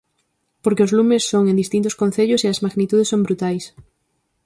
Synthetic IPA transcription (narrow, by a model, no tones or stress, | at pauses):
poɾkeozlumesːoŋẽnd̪ist̪int̪ʊskõn̟θeʎʊseɐzmaɣnit̪uð̞esːõŋbɾut̪ajs